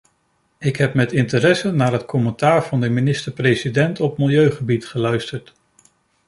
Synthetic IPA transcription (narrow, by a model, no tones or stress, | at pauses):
ɪkɦɛp̚mɛtɪntəɾɛsənaːɹɦətkʰɔməntaːɹv̥ɑndəminɪstəɹprejsidɛntɔp̚mɪlˠjøɥχəbitχəlœɥstəɹt